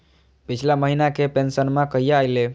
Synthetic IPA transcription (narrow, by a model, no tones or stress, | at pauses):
pit͡ʃʰlaməɦinakepensənmãkəɦijaːjle